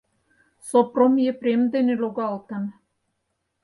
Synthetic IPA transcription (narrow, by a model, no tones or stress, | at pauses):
sopromjeprʲemd̪enʲeloɡɑlˠt̪ɑn